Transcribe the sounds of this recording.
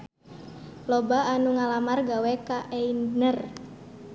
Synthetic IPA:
lɔbaanuŋalamarɡawɛkaʔɛinnər

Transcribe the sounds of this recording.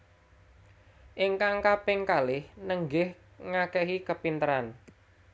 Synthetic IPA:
ʔɪŋkaŋkapɪŋkalɪhnəŋɡɪh | ŋakɛɦikəpint̪əɾan

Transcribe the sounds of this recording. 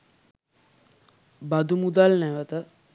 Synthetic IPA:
bad̪umud̪alnæʋət̪ə

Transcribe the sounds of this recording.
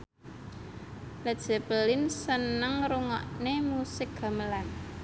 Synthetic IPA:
ləd̥ʒ̥ɛ̤pəlɪnsənəŋɾuŋɔʔnemusɪk̚ɡ̥a̤məlan

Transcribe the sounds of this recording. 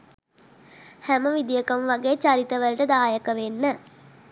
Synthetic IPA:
hæməʋid̪ijəkəmʋaɡeːt͡ʃaɾit̪əʋəlʈəd̪aːjəkəʋenːə

